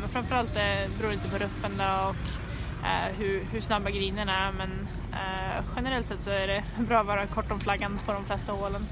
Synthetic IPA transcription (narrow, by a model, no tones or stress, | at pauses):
mɛnfɾamfœɾalt̪̚d̪ɛbɛɾuːɾiːt̪əpɔɾɵfːənd̪ɔɔk | ɦɵɾhɵʂnabːaɡɾiːnəɳæɾmɛn | ɧɛnəɾɛlt̪sɛt̪sɔæɖɛ | bɾɑːɔvɑːɾakʰɔʈːɔmflaɡːanpʰɔd̪ɔmflɛst̪ahoːlən